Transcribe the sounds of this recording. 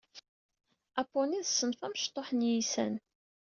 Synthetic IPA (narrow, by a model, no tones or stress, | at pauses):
æpːoniðsːənfæməʃt̪ˤːoħənjisæ̰n